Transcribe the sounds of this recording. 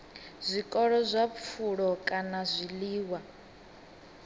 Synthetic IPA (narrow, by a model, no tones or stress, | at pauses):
zʷikʼɔɺɔzʷap̪fʰuɺɔkʼanazʷiliːwa